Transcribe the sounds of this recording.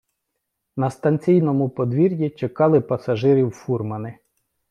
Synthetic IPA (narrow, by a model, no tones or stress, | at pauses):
nɐst̪ɐnʲt͡sʲijnɔmʊpɔd̪ʋʲiɾʲjit͡ʃekɑlˠɪpɐsɐʒɪɾʲiwfurmɐnɪ